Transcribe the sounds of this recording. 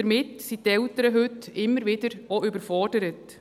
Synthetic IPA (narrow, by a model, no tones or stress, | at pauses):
əɾmɪtsitɛltəɾəɦʏtɪmːəɾvɪdəɾoʏbəɾfɔd̥əɾət